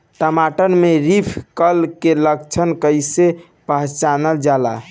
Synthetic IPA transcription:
ʈəmaʈənmeɾipʰkəlkeləkt͡ʃʰənkəjse | pəɦt͡ʃanəld͡ʒala

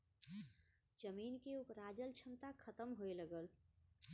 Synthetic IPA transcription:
d͡ʒəminkeupɾad͡ʒəlt͡ʃʰəmt̪akʰət̪əmɦoeləɡəl

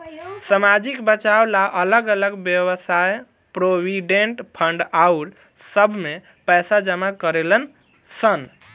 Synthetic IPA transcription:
samad͡ʒikbət͡ʃawlaʔələɡələɡbjəwəsaj | pɾobiɖeɳʈpʰəɳɖauɾ | səbʱme | pəjsad͡ʒəmakəɾelən | sən

